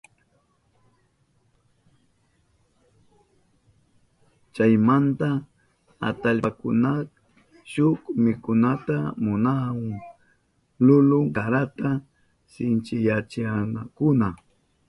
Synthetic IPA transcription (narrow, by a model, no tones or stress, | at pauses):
t͡ʃajmant̪a | a̰t̪aʎakʊ̰nak | ʃʊkmɪkʊnat̪amʊnawaŋ | lʊlʊŋkaɾat̪a | sɪnt͡ʃɪjat͡ʃɪanakʊna